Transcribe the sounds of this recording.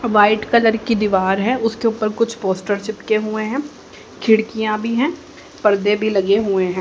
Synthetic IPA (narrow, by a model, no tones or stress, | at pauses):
ʋaːɪʈkɐləɾkid̪iʋaːɾɦɛ̃ʔʊskeʊpəɾkʊt͡ʃʰpoːsʈəɾʃɪpkeɦʊeɦɛ̃ː | kʰɪɽkijãbʱiɦɛ̃ː | pɐɾd̪ebʱilɐɡeɦʊeɦɛ̃